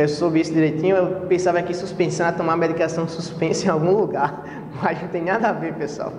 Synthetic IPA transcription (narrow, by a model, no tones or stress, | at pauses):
ewsobɪisʊd̪iɾejt̪ĩɲʊewpẽsavɐkɪsuspẽsɐ̃w̃ɐat̪õmamɛd̪ikasɐ̃w̃suspẽsẽawɡũluɡaɾ | maznɐ̃t̪ẽj̃nad̪ɐavepesua̰w